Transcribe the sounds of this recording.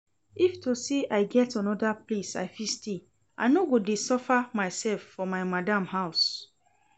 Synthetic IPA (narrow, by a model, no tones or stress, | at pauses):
iftoseʔaɪɡɛtãnɔdaplesa̰ɪfiste | a̰ɪnoɡodesɔfamaɪsɛlfːɔmaɪmadãmhaʊs